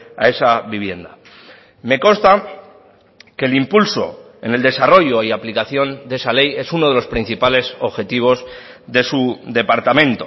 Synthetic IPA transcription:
a̰e̞saβiβ̞je̞nd̪a̰ | me̞kõ̞nst̪a | ke̞limpulso̞̰ | e̞ne̞ld̪e̞saro̞ʝo̞iaplikaθjo̞nd̪e̞sale̞je̞suno̞ðe̞lo̞spɾin̟θipale̞so̞βxe̞t̪iβ̞o̞z | ðe̞suðe̞paɾt̪amẽ̞nt̪o̞

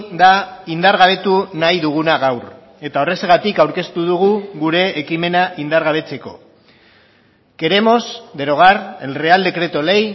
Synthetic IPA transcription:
d̪aind̪aɾɣaβe̞t̪unajðuɣ̞unaɣawr | e̞t̪ao̞re̞seɣat̪ikawɾke̞st̪uðuɣ̞uɣuɾe̞ːkime̞naʔind̪aɾɣaβe̞t͡se̞ko̞̰ | ke̞ɾemo̞sd̪e̞ɾo̞ɣarelreald̪e̞kɾe̞t̪o̞le̞j

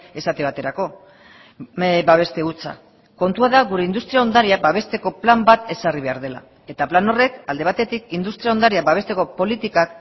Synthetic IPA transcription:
e̞sat̪eβ̞at̪e̞ɾako̞ | baβ̞e̞st̪e̞ut͡sa̰ | ko̞nt̪uaðaɣuɾe̞ind̪ust̪ɾiao̞nd̪aɾiabaβ̞e̞st̪e̞ko̞plambat̪e̞sariβ̞e̞aɾðe̞la̰ | e̞t̪aplano̞re̞kald̪e̞β̞at̪e̞t̪ikind̪ust̪ɾiao̞nd̪aɾiabaβe̞st̪e̞ko̞po̞lit̪ikak

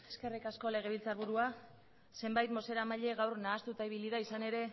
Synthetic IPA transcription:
e̞ske̞rikasko̞le̞ɣ̞e̞β̞ilt͡saɾβuɾua | se̞mbajt̪mo̞se̞ɾamaʎe̞ɣawrnaːst̪ut̪aiβiliðaisane̞ɾe̞

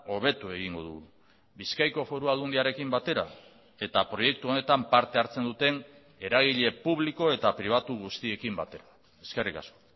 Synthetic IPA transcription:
o̞β̞e̞t̪ue̞ɣ̞iŋɡo̞̰ðṵɣ | biskajko̞fo̞ɾuald̪und̪iaɾe̞kimbat̪e̞ɾa̰ | e̞t̪apɾo̞je̞k̚t̪uo̞ne̞t̪ampaɾt̪e̞aɾt͡se̞nd̪ut̪e̞n | e̞ɾaɣ̞iʎe̞puβ̞liko̞e̞t̪apɾiβ̞at̪uɣ̞ust̪ie̞kimbat̪e̞ɾa | e̞ske̞rika̰sko̞̥

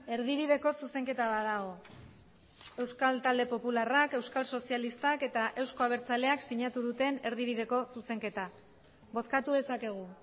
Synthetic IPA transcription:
e̞ɾðiβ̞iðe̞ko̞suse̞ŋke̞t̪aβaðaɣo̞ | e̞wskalt̪ald̪e̞po̞pularake̞wskalso̞sialist̪ake̞t̪aʔe̞wsko̞aβ̞e̞ɾt͡sale̞aksiɲat̪uðut̪e̞ne̞ɾðiβ̞iðe̞ko̞suse̞ŋke̞t̪a | bo̞skat̪uðe̞sake̞ɣ̞u

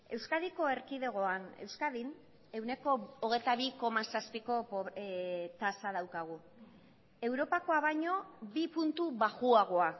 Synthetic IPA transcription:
e̞wskaðiko̞e̞ɾkið̞e̞ɣ̞o̞ane̞̰wskaðin | e̞wne̞ko̞ːɣe̞jt̪aβ̞iko̞masaspiko̞pβt̪asað̞awkaɣ̞u | e̞wɾo̞pako̞aβajɲo̞bipunt̪uβaɣuaɣ̞oa

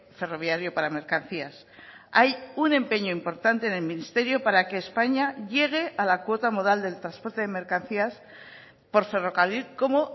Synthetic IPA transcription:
fe̞ro̞βjaɾjopaɾame̞ɾkan̟θias | ajune̞mpe̞ɲoimpo̞ɾt̪ant̪e̞ːne̞lmĩnist̪e̞ɾjo̞paɾakeːspaɲaʝe̞ɣ̞e̞ʔalakwo̞t̪amoðald̪e̞lt̪ɾaspo̞ɾt̪e̞ðeme̞ɾkan̟θias | po̞ɾfe̞ro̞kalilko̞mo

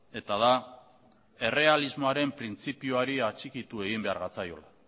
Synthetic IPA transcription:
e̞t̪aða | e̞re̞alizmoaɾe̞mpɾint͡sipiuaɾiat͡ʃikit̪ue̞ɣ̞imbe̞a̰ɾɣat͡sajo̞̰la

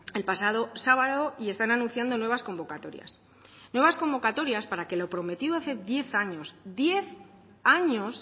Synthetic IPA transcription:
e̞lpasaðo̞saβaðo̞ie̞st̪ananũnθjand̪o̞nwe̞β̞asko̞mbo̞kat̪o̞ɾja̰s | nwe̞β̞asko̞mbo̞kat̪o̞ɾjaspaɾake̞lo̞pɾo̞me̞t̪iðoaθe̞ðje̞θaɲo̞sd̪je̞θ | aɲo̞s

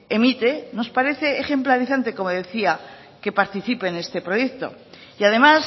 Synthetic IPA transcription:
emit̪e̞no̞spaɾe̞θe̞ːχe̞mplaɾiθant̪e̞ko̞mo̞ðe̞θia | ke̞paɾt̪iθipe̞ne̞st̪e̞pɾo̞je̞kt̪o̞̰iaðe̞mas

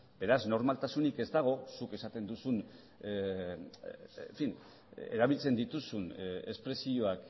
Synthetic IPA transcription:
be̞ɾazno̞ɾmalt̪asunike̞zd̪aɣ̞o̞suke̞sat̪e̞nd̪usun | ɱfin | ḛɾaβ̞ilt͡se̞nd̪it̪usune̞spɾe̞sio̞ak

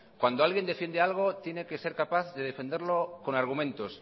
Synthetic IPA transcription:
kwand̪oalɣje̞nd̪efje̞nd̪ealɣ̞ot̪je̞neke̞se̞ɾkapaθðeð̞efe̞nd̪eɾloko̞naɾɣ̞umẽnt̪os

